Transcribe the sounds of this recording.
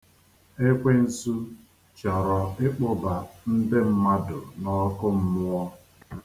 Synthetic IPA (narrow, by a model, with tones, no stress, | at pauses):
e˦kʷe˦n̩˦su˦ | t͡ʃɔ˨ɾɔ˨ɪ˦k͡pʊ˦ba˨n̩˦dɪ˦m̩˦ma˦dʊ˨nɔ˦kʊ˦m̩˦mʊ˦ɔ˦